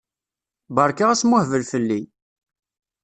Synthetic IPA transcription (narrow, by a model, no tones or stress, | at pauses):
bəɾˤkaʁæsmʊhvəlfəlːi